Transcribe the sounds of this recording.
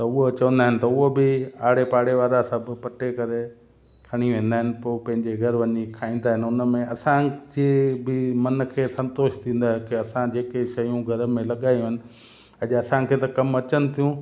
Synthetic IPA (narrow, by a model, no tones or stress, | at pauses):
t̪ɐʊɦot͡ɕɐʋə̃nd̪aːɦɪnɪ̆t̪ɐʊɦobɪaːɽepaːɽeʋaːɾasɐbʱɪ̆pɐʈekɐɾe | kʰɐɽ̃iʋẽːn̆d̪aːɦɪnɪ̆poːpɐ̃ɦɪ̃ɲd͡ʑeɡʱɐɾʋɐɲikʰaːĩːn̆d̪aːɦɪnɪʊnə̆mẽɐsãd͡ʑeːbɪmɐnkʰeːsɐ̃nt̪oːʃt̪ʰĩːn̆d̪aːɦekɪɐsãd͡ʑeːkeʃɐjũɡʱɐɾmẽlɐɠaːijũɦɪnɪ̆ | ɐʄɐsãkʰeːt̪ɐkɐmɐt͡ɕənɪ̆t̪ʰijũ